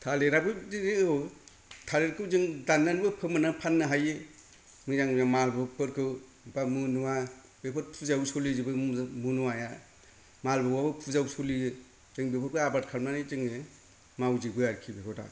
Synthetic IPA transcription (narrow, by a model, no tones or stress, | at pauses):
tʰaleɾabɯie | tʰaleɾkʰɯwzɯŋdanːanibɯpʰɯmɯnapʰanːɯɦajɯ | mɯzaŋzamalbɯpɯɾkʰɯw | bamunuwa | bepʰɯɾ̚pʰuzawsolizibɯmunuwaja | malbɯwabɯpʰuzawsolijɯ | z̥ɯŋbepʰɯɾ̚kɯabaɾ̚kʰaɾmnanɯzɯŋɯ | mawzibɯjaɾkʰibekʰɯda̰